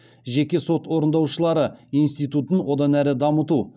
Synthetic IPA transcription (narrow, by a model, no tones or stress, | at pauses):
ʒekʲe̞so̞t̪wo̞ɾənd̪ɑwʃəlˠɑɾəinst̪ijt̪ut̪ənwo̞d̪ɑnæɾɪd̪ɑmət̪u